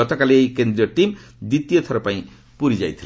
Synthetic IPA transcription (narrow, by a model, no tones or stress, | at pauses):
ɔt̪ɔkaliejkend̪ɾijɔʈimd̪it̪ijɔt̪ʰɔɾɔpaĩ | puɾid͡ʒajt̪ʰil